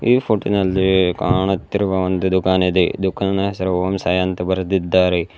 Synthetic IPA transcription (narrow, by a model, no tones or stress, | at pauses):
iːpʰoʈonɐlːikaːɳɐt̪ːɪɾʋɐʋɐnd̪ud̪ʊkaːned̪ed̪ʊkannɐsɐɾoːmsaːjɐnt̪ɐbɐɾd̪ɪd̪ːaːɾe